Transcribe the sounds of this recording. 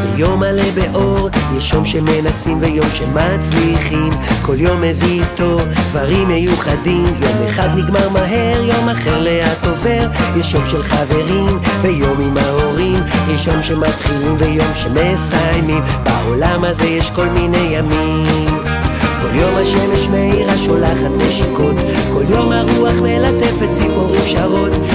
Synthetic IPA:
vḛjo̞malebeʔo̞ʁjɛʃjo̞mʃemenasimvejo̞mʃemat͡sliχimkʰo̞ljo̞mːevit̪o̞vd̪vaʁimjejuχad̪imjo̞meχad̪niɡmaʁmaɦe̞ʁjo̞maχe̞ʁle̞at̪o̞ve̞ʁjɛʃjo̞mʃelχave̞ʁimvejo̞mimaoʁimjɛʃjo̞mʃemat̪χilimvejo̞mʃemesajmimbao̞lamhazejɛʃko̞lminejami | m | ko̞ljo̞maʃemeʃmeiʁaʃo̞laχat̪̚beʃako̞t̪ | ko̞ljo̞maʁuaχmelat̪efet͡sipoʁimʃaʁo̞t̪

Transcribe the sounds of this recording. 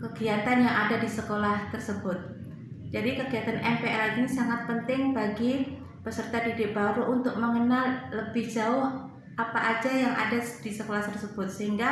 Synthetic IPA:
kəɡiat̪anjaʔadadisəkolaht̪ərsəbʊt̪̚ | d͡ʒadikəɡiat̪anɛmpeɛlaɡinisaŋat̪̚pənt̪ɪŋbaɡi | pəsərt̪adidɪk̚baɾuʔunt̪ʊk̚məŋənalləbɪhd͡ʒaʊh | apaʔad͡ʒajaŋa̰dad̥isəkolaht̪ərsəbʊt̪̚səɦiŋɡa

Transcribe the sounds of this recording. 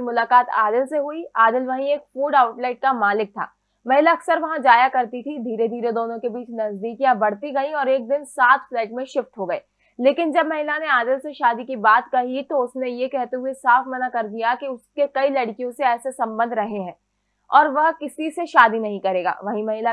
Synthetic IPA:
mʊlaːkaːt̪a̰ːd̪ɪlseɦuiaːd̪ɪlʋɐɦĩeːkfuːɖaːʊʈlaːɪʈ̚kamaːlɪk̚t̪ʰa̰ː | mɐɦɪlaɐksəɾʋɐɦãd͡ʒaːjakɐɾt̪it̪ʰid̪ʱiːɾed̪ʱiːɾed̪oːnõkebiːt͡ʃnɐzd̪iːkjãbɐɽ̤t̪iɡɐĩɔːɾeːk̚d̪ɪnsaːt̪ʰflɛːʈmẽʃɪfʈ̪ɦoɡɐeː | leːkɪnd͡ʒɐbmɐɦɪlaneaːd̪ɪlseʃaːd̪ikibaːt̪kɐɦit̪oʊsnejekɛɦt̪eɦuesaːfmɐnakɐɾd̪ijakiʊskekɐilɐɽkijõseɛːsesɐ̃mbə̃nd̪ʱɾɐɦeɦɛ̃ː | ɔːɾʋɐɦkɪsiseʃaːd̪inɐɦĩkɐɾeːɡa̰ːʋɐɦĩmɐɦɪla

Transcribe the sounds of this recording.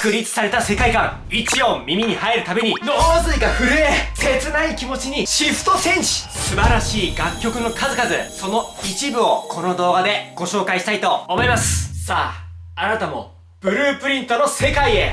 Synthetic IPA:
kɯ̟ɾʲit͡sɨ̥saɾe̞t̪ase̞kaikãŋ | it͡ɕio̞mʲimʲiɲ̟ihaeɾɯ̟t̪abe̞ɲ̟inoːzɨiɡaɸɯ̟ɾɯ̟ese̞t͡sɨnaikʲimo̞t͡ɕiɲ̟iɕiɸɯ̥t̪o̞sẽ̞ɲ̃ɕi̥sɨbaɾaɕiːɡakʲːo̞kɯ̟no̞kʰazɨkazɨso̞no̞it͡ɕibɯ̟o̞kʰo̞no̞d̪o̞ːɡad̪e̞ɡ̥o̞ɕo̞ːkaiɕi̥t̪ait̪o̞ːmo̞imasɨ̥saː | anat̪amo̞ | b̥ɯ̟ɾɯ̟ːpɯ̟ɾʲĩnt̪ono̞se̞kaie̞

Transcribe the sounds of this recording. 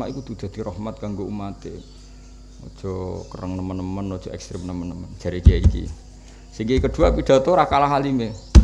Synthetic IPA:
aʔikud̪̥ud̪̥a̤d̪̥i̤ɾɔhmat̪̚kaŋɡoumat̪e | ɔ̰d̥ʒ̥ɔ̤kəɾəŋnəmənːəmənɔd̥ʒ̥ɔ̤ɛ̰kst̪ɾɪmnəmənːəmənd͡ʒ̥a̤ɾikiaikḭ | siŋkeikəɖ̥̪ṳapiɖ̪̥ä̤t̪ɔɾakalaɦalime

